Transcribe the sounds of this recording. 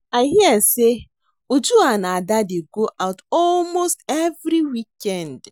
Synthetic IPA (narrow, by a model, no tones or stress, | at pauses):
aɦiɛse | ud͡ʒuanaadadeɡoʔaʊtɔlmostevɾiwikɛnd